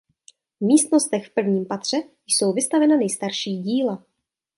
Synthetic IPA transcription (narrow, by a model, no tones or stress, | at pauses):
vmiːst̪no̞st̪ɛxfpr̩vɲiːmpat̪r̝̥ɛ | jso̞wvɪst̪avɛnanɛjst̪aɾʃiːɟiːla